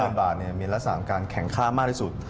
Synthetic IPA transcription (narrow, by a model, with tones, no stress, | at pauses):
ə˧nbaː˨˩t̪̚ni˥˩ɐmiː˧ɾa˦˥k̚sa̰ː˧˩˨a˦˧˩kaː˧nkʰɛ˨˩˦ŋkʰaː˥˩maː˥˩t̪ʰi˥˩su˨˩t̪̚